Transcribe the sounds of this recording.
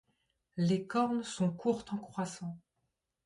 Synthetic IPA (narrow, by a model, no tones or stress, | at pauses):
lekɔʁnsɔ̃kʰuʁt̪ɑ̃kχwasɑ̃